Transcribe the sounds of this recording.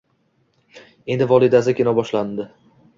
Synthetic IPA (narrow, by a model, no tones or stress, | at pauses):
e̞nd̪ɪvɒlˠid̪azakʲenɒbɒʃland̪ɪ